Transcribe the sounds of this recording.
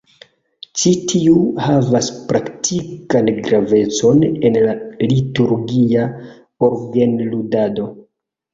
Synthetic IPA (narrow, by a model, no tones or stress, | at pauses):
t͡ʃitʰiuhavaspɾaktʰikanɡɾave̞t͡so̞nenlalituɾɡia | oɾɡenludado̞